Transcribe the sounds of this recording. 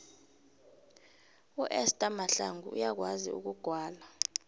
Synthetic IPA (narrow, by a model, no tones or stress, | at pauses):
uʔɛstʼamaɬa̰ŋɡuṵjak̬waziṵk̬uɡ̥ʱwaːla